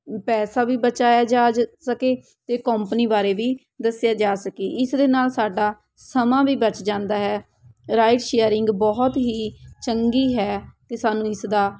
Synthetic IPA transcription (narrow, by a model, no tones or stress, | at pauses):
pɛːsaːbiːbət͡ʃaːjaːd͡ʒaːd͡ʒsəkeː | t̪eːkəmpəniːbaːɾeːʋiː | d̪əsɪjaːd͡ʒaːsəkeːʔɪsd̪eːnaːlsaːɖaː | səmãːʋiːbət͡ʃd͡ʒãːnd̪aːɦɛː | ɾaːɪʈʃeːəɾɪŋɡbɔɦt̪ɦiːt͡ʃəŋɡiːɦɛːkesaːnũːɪsd̪aː